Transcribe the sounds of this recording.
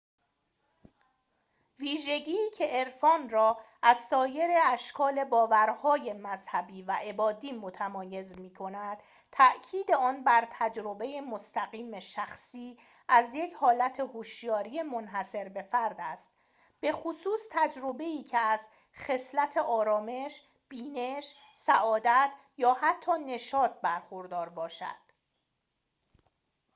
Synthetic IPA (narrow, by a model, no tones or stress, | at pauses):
viːʒe̞ɟiːcʰe̞ʔeɾfɒːnrɒːʔæzsɒːje̞ɾeæʃkʰɒːle̞bɒːvæɾhɒːje̞mæzhæbiːvæʔe̞bɒːd̪iːmot̪ʰæmɒːje̞zmiːkʰo̞næd̪̥ | t̪ʰæʔcʰiːd̪e̞ɒːnbæɾt̪ʰæd͡ʒɾo̞be̞je̞most̪æɣiːmeʃæxsiː | ʔæzje̞cʰhɒːlæt̪ʰe̞hoʃjɒːɾiːemonɦæse̞ɾbe̞fæɾd̪æst̪̚ | b̥e̞xosuːst̪ʰæd͡ʒɾo̞be̞iːcʰeæz | xe̞slæt̪ʰe̞ʔɒːɾɒːme̞ʃ | b̥iːne̞ʃ | sæʔɒːd̪æt̪ʰ | jɒːhæt̪ʰːɒːne̞ʃɒːt̪̚bæɾxoɾd̪ɒːɾbɒːʃæ̰d̪̥